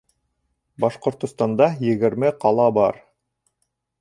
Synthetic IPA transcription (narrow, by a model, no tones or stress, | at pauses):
bɑʃqŏɾt̪ŏst̪ɑnd̪ɑjɘ̆ɣɘ̆ɾmɘqɑlˠɑbɑɾ